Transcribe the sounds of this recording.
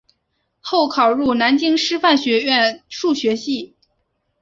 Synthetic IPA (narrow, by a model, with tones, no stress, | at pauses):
xo˥˩ʊkʰɑ˨˩ʊɻu˥˩na˧˥nt͡ɕi˥ŋʂɻ̩˥fa˥˩nɕɥɛ˧˥ɥɛ˥˧nʂu˥˩ɕɥɛ˧˥ɕi˥˩